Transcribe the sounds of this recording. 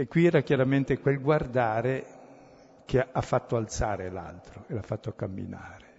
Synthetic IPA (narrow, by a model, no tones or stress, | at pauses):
ekːwiɛːɾakjaɾament̪ekwelɡward̪aːɾe | kʰeafːat̪ːoalt̪saːɾela̰lt̪ɾoelafːat̪ːokamːḭna̰ːɾe